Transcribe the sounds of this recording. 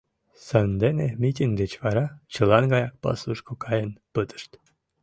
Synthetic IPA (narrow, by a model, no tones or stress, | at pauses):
sɑnd̪enemʲit̪ʲiŋɡd̪et͡ɕvɑɾɑt͡ɕɯlˠɑnɡɑjɑk̚pɑ̰slˠuʃkokʰɑjənpət̪ə̥ʃt̪